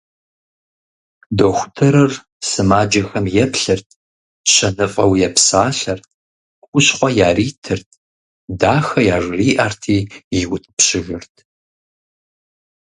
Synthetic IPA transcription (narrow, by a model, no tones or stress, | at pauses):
doxʷʊ̥tʰɐɾɐr | sɨmaːd͡ʒɐxɐmjɛpɬɨrtʰ | ɕʰɐnɨfʼɐwjɛpsaːɬɐr | kʷʼʊɕχʷɔjaːriːtʰɨrtʰ | daːxɐjaːʐriːʔaːrtʰiːjɪwʊtʼpɕɪʒɪrtʰ